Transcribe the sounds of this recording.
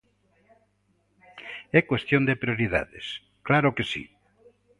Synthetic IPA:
ɛkwest̪jond̪epɾioɾiða̰ðḛs | klaɾʊkesḭ

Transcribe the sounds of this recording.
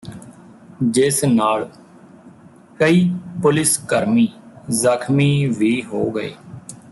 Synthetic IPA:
d͡ʒɪsnaːl | kəiːpʊlɪskəɾmiːzəkʰmiːʋiːɦoːɡəḛː

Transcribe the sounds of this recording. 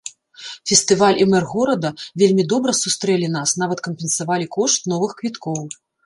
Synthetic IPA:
fʲɛst̪ɨvalʲʔimɛrɣɔɾɐd̪ɐvʲelʲmʲid̪ɔbɾɐsust̪ɾɛlʲinasnavɐt̪̚kɐmʲpʲɛnsavalʲikɔʂt̪̚nɔvɨxkvʲit̪kɔw

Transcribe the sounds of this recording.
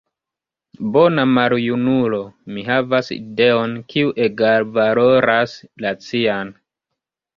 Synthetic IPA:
bo̞namaɾjunulo̞miɦavasḭde̞o̞nkiuʔe̞ɡaɾvaloɾaslat͡sian

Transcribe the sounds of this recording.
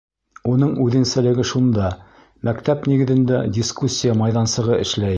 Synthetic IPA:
unɤɴʉðɘ̆nsælɘ̆ɡɘʃund̪ɑ | mækt̪æpniɡɘ̆ðɘ̆nd̪ædʲiskusʲːijəmɑjðɑnsɤ̆ʁɤɘ̆ʃlæj

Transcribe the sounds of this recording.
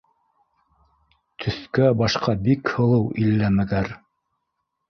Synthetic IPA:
t̪ʰɵ̆θkæbɑʃqɑbikhɤ̆lˠɤwilːæmæɡæɾ

